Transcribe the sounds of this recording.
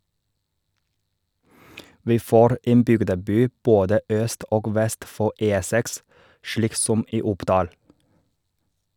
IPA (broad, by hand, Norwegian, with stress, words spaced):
ˈʋiː ˈfoːɾ ˈʔeːn ˈbʏɡdəˌbyː ˈboːdə ˈʔœst ˈʔoːɡ ˈʋɛst ˈfɔ ˈʔeː ˈsɛks ˈʃliːk ˈsɔm ˈʔiː ˈʊpdɑːl